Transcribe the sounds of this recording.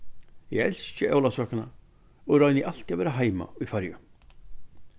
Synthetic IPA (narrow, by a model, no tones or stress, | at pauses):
jɛ̰ɣɛl̥st͡ɕɪʔa̰wlasœːkana̰ | ɔɣrɔɥnɪʔal̥c̪avɛːɾaɦaːjma̰ujfaɾjʏ̰